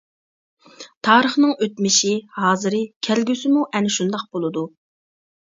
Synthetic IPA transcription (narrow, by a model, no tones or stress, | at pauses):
t̪ʰɑːɾəχnɨŋøt̪mɪʃihɑːzɨɾɨkʲʰælɡʲysɪmuʔɛnɪʃund̪ɑq̚bolˠɨd̪u